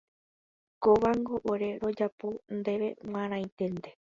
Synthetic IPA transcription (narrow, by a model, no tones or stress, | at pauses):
koʋaŋɡoʔoɾe̞ɾo̞d͡ʒapond̪e̞ʋe̞̰w̃ãɾ̃ãj̃t̪end̪e̞